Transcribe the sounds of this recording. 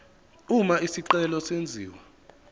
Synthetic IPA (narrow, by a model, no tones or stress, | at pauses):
umaisiǀɛlɔsend͡zʱiːwa